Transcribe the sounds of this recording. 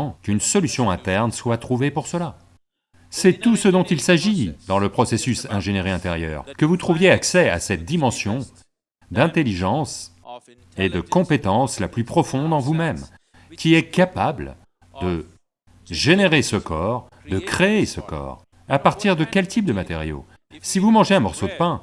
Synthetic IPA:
ɑ̃kynsɔlysjɔ̃ɛ̃t̪ɛʁnswat̪χuvepuʁsəla | sɛt̪usəd̪ɔ̃t̪ilsaʒid̪ɑ̃ləpχɔsesysɛ̃ʒeneʁeɛ̃t̪eʁjœ̰ːʁkəvut̪χuvjeaksɛa̰sɛt̪̚d̪imɑ̃sjɔ̃ | d̪ɛ̃t̪eliʒɑ̃s | ed̪əkɔ̃pet̪ɑ̃slaplypχɔfɔ̃d̪ɑ̃vumɛm | kʲiɛkapabl | d̪ə | ʒeneʁesəkɔːʁ | d̪əkχeːsəkɔ̰ːʁ | apaʁt̪iʁd̪əkʲɛlt̪ʰip̚d̪əmat̪ḛʁjo̰ | sivumɑ̃ʒeɛ̃mɔʁsod̪əpɛ̃

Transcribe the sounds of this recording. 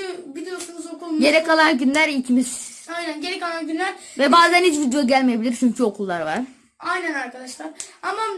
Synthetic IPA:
yvid̪ejo̞sunuzokʰulˠmɟe̞ɾɛcalˠanɟynlʲæɾilʲcʰimiz̥ | ajnænɟe̞ɾɛcalˠanɟynlʲæɾvɛbaːzænhit͡ʃvid̪joɟælʲmejebilʲiɾt͡ʃʰyɲcʰyo̞kʰulˠːaɾvaɾ̥ | ajnænaɾkʰad̪aʃlˠaɾama

